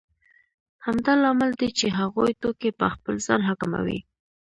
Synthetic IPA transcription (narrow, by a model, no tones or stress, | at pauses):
hamd̪ɑlɑmɪld̪et͡ʃeɦaɣojt̪okepə̰xpəlzɑ̰nɦakma̰wḭ